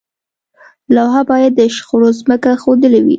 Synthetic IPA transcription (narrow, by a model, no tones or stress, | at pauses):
lawɦabɑjad̪ːəʃxoɽozməkaxod̪əlawḭ